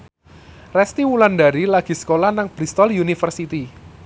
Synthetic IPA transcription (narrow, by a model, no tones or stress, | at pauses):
rɛst̪iwulandaɾilaɡ̥i̤sə̥kolahnaŋb̥ɾist̪ɔljunifərsit̪i